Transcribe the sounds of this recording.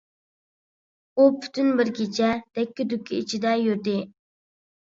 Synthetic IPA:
upʰy̥t̪ʰynbɪɾɡʲet͡ʃʰɛd̪̥ɛkʲːɪd̪ykʲʰːiit͡ʃʰid̪ɛjyɾd̪ɪ

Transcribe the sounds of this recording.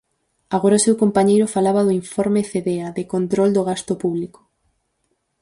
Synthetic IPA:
aɣoɾaʊsewkompaɲejɾʊfalaβaðʊiɱfɔɾmeθeðeaðɪkont̪ɾold̪ʊɣ̞ast̪ʊpuβlikʊ̥

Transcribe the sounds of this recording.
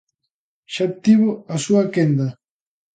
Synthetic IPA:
ʃat̪iβoasuakend̪ɐ

